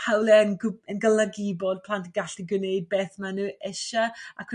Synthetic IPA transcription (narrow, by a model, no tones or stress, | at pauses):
hawlɛənɡənɡəlˠəɡɪbɔd̥̚pʰlˠantəɡaɬiɡɨnejd̚beːθmanuːʔɛʃaakʰ